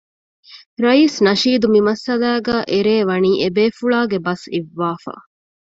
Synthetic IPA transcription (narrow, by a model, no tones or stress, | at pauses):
ɾɐiːsnɐʃiːd̪umimɐsɐlæːɡæːʔeɾeːʋɐniːʔebeːfuɭaːɡebɐsiʋːaːfa̰ː